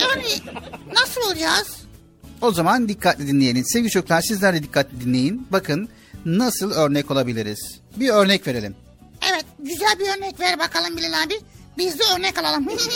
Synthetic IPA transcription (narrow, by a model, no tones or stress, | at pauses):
aninasɯlˠolˠd͡ʒaz̥ | o̞zamand̪ikʰːat̪lʲid̪inʲejelʲinse̞vɟit͡ʃʰoklˠaɾsizlʲæɾd̪ɛd̪ikʰːat̪ʰlʲid̪inlʲe̞jinbakʰɯnː | asɯlˠøɾnɛco̞lˠabilʲiɾiz̥ | biøɾnɛcve̞ɾelʲim | evɛt̪̚ɟyzælʲbiøɾnɛcvɛɾbakʰalˠɯmbilʲelʲambibizd̪ʲiøɾnɛcalˠalˠɯmi